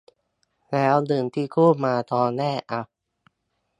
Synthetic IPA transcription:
lɛː˦˥wnɯ˧˩ŋt̪ʰiː˦˥˩kʰuː˥˩maː˧t̪ɔː˧nɛː˥˩ʔa˧˩

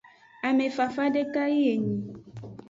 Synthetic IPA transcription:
a˨mẽ˨fa˨fa˦ɖe˦ka˦i˦e˨ɲĩ˨

